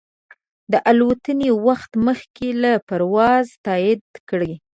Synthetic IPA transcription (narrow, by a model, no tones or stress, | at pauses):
d̪əʔalwət̪ənewaxt̪məxkelapaɾwɑzt̪ɑjɪd̪kəɽi